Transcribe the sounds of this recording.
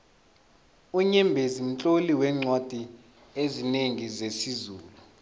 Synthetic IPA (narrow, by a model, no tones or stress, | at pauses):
uɲɛmbʱezim̩t͡ɬʼoliwɛŋ͡ǀwad̥ʱi | ezineŋizesizuːlu